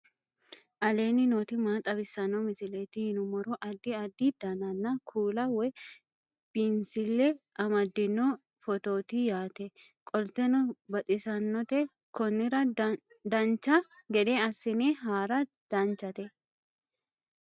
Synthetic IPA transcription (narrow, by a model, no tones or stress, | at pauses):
ʔɐle̞ːnːɪnoːt̪ɪmaːt̪ʼɐbɪsːɐnːɔmɪsɪleːt̪ɪhɪnʊmɔɾɔʔɐd̪ːɪɐd̪ːid̪̥ɐnɐnːɐkʰuːlɐwɛ | b̥ɪnsɪlːɛɐmɐd̪ːɪnːɔ | fɔt̪o̞ːt̪ijaːt̪ɛkʼɔlt̪ɛnɔbɐt̪ʼɪsɐnːɔt̪ɛ | kɔnːɪɾɐ | d̪ɐnt͡ʃːɐɡɛd̪eɐsːɪneɦaːɾɐ | d̪̥ɐnt͡ʃːɐt̪ɛ